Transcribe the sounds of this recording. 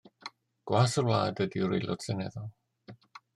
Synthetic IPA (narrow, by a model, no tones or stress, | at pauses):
ɡ̥wasərwlaːdədiɾḛlˠɔ̰dsɪnɛðɔlˠ